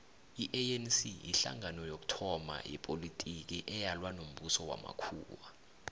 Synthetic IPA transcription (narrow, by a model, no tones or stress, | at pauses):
iʔɛɛnsijiɬa̰ŋʱanɔjok̬ʼu̥tʰɔma̰jɛ̰pʼolitʼik̬iʔɛjalwanom̩ɓusɔwa̰ma̰kʰṵːwa